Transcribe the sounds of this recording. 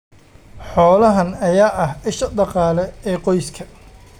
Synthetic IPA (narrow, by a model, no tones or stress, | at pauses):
ħɔːlɐɦɐnɐjaːʔɐhɪʃɐd̪ɑqɑːlɛɛːqɔjskʰɐ